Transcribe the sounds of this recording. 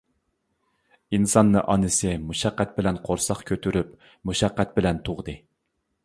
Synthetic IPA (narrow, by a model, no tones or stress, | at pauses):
insɑnːɨʔɑnɨsɨmuʃɑqːæt̪̚bɪlɛnqʰoɾsɑχkʲʰøt̪ʰyɾyp | muʃɑqːæt̪̚bɪlɛnt̪ʰoʁd̪ɨ